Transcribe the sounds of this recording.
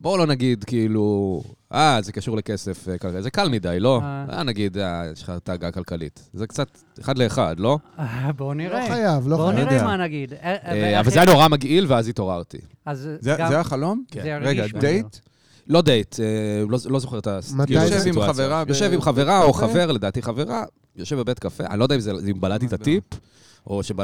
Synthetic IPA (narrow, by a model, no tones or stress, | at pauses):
bo̞lo̞naɡidkiilu | azekaʃuʁlekese̞fkalazekalmidajlo̞a̰ja̰naɡid̪aeʃχataːɡakalkalḭtzekt͡sat̪ | eχadleːχa̰dlo̞boniʁeajavlonemanaɡid̪eavalajano̞ʁamaɡʔilveazit̪o̞ʁaʁt̪ḭ | azzezeaχalo̞mʁeɡadejt | lo̞dejtelolo̞zo̞χe̞tasmjjʃevimaveʁajoʃevimχave̞ʁaoχave̞ʁledaːt̪iχave̞ʁa | joʃevbebetkafeʔa̰nilo̞daimzeimbalat̪̬it̪atip | ʔo̞ʃeba